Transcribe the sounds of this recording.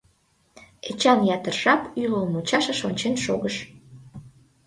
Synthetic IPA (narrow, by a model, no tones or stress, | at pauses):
et͡ɕɑnjɑt̪ərʒɑpylomut͡ɕɑʃeʃonʲt͡ɕenʃo̰ɣəʃ